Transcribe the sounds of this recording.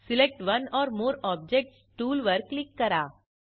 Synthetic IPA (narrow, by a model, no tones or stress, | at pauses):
sɪlek̚ʈʋɐnɔːɾmoːɾɔːb̚d͡ʒek̚ʈsʈuːlʋəɾkːlɪkːəɾaː